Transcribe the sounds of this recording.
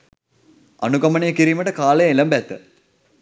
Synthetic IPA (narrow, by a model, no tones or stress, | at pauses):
a̰nuɡɐmənəjəkiɾiːməʈəkaːlejeləmbæt̪ːə̰